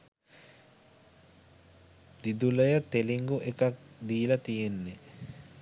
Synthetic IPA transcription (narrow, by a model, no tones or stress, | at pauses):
d̪̥id̪uləjət̪eliŋɡuʔekak̚d̪iːlɐt̪ijenːe